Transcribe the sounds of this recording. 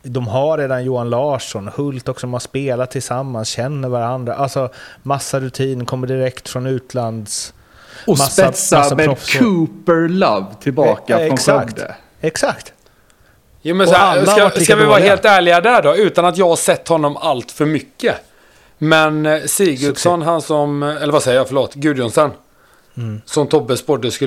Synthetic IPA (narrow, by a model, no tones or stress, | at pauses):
d̪ɔmɦaɾeːd̪anjuːanlɑːʂɔnhɵlt̪ɔksɔmanspeːlat̪ʰːɪlsamːansɕɛnːəɾvaɾand̪ɾa̰ʔalsɔmasːaɾɵt̪ʰiːnkʰɔmːəɖɪɾɛkt̪fɾɔnʉ̟ːt̪ʰland̪s | ɔmasːɛaasːamɛɾɔfkʰʉːpəɾlavt̪ʰɪlbɑːkaɛskt̪ə̰ | ɛksakt̪ | juːmɛnsɔæskakavɪvɑːɾaɦeːlt̪æːɭɪɡad̪æɖɔʉ̟ːt̪anat̪jɑːɡhaʂɛt̪ːhɔnːɔmalt̪fœɾmʏkːə | mɛnsiːɡɵd̪sɔnɦansɔmɛlːəɾvasɛjːəjɑfœɭoːt̪ɡʉ̟ːd̪ɪjɔnsɛn | sɔmt̪ʰɔbːəspɔɖːəskɵ